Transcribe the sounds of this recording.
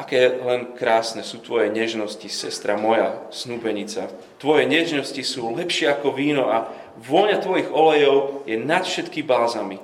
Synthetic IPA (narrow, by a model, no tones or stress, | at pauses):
ʔakɛːjɛlɛnkɾaːsnɛsuːt̪ʋɔjɛɲɛʒnɔscisɛst̪ɾamɔjasnuːbɛɲit͡sa | t̪ʋɔjɛɲɛʒnɔscisuːlɛpʃɪɛakɔʋiːnɔʔa | ʋɔɲat̪ʋɔjiɣɔlɛjɔʊjɛnat̪fʃɛt̪kibaːzami